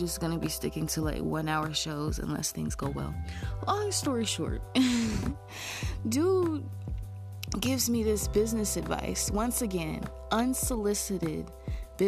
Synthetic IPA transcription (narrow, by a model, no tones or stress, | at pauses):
d͡ʒʌsɡ̥ʌnɨbistɪkɪ̃ŋtʰɨla̰ɪkwʌ̃naʊə˞ʃoʊzɨ̰̃nlɛ̰sθɪ̰̃ŋzɡoʊwɛ̰lˠɔstɔɹiʃɔ̰ɹt̚ | du | ɡɪvzmiðɪsb̥ɪznɨsɨdva̰ɪswʌ̃nsɨɡɛ̃n | ʔʌ̃nsəlɪsɨɾɪd̚b̥ɪ